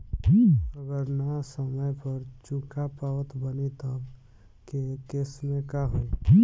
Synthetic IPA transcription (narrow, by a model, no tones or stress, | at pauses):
əɡəɾnasəməjpəɾt͡ʃukʰapaət̪bənit̪ɔ | kekɪsmẽkaɦo